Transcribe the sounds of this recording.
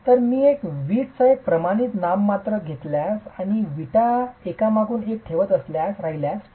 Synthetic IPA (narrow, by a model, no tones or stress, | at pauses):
t̪əɾmiːekʋiːʈsəek̚pɾəmaɽ̃it̪namːat̪ɾəɡʱet̪ljasaɽ̃iʋiʈaekamaɡuːnek̚ʈʰeʋət̪əsljasɾaɦiljas